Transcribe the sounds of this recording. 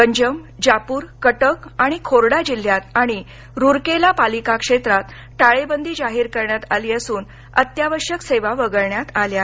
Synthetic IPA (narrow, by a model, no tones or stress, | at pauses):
kəɲd͡ʑəmd͡ʑapuːɾkəʈəkaɽ̃ikʰoɾɽad͡ʑil̤jat̪ãi | ɾuɾkelapalikakʂet̪ɾat̪ | ʈaɭebənd̪ʱiːd͡zaɦiːɾkəɾɳjat̪aliːəsuːn | ə̰t̪jaʋəɾʂəkseʋaʋəɡəɭɳjat̪alja